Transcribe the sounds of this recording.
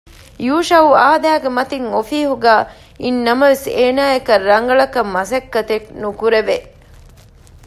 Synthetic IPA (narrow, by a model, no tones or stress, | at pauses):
juːʃɐuaːd̪æːɡemɐt̪iŋofiːɦuɡæː | inːɐmɐʋeseːnaːekɐrːɐŋɡɐɭɐkɐmːɐsɐkːɐt̪eknukuɾeʋe